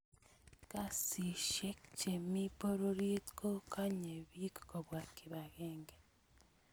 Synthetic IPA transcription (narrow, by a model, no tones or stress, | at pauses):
kasiʃekt͡ʃemipoɾoɾjetkokaɲeβikkoβwakiβaɣeːŋɡe